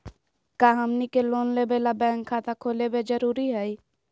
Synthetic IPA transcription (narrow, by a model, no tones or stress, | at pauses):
kaɦəmnikeloːnlebelabɛ̃ːŋkʰːat̪akʰoːlebed͡ʒəɾuːɾiɦɛi